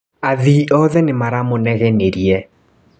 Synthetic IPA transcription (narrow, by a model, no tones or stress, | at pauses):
aðiːʔɔðɛnemaɾamonɛɣɛneɾiɛ